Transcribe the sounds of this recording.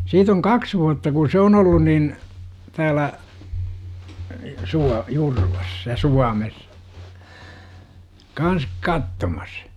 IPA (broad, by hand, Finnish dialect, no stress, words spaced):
siːt oŋ kɑks ʋuɑtːɑ ku se on olːun nin tæːlæ suɑ jurʋɑs jɑ suɑmes kɑns kɑtːomɑs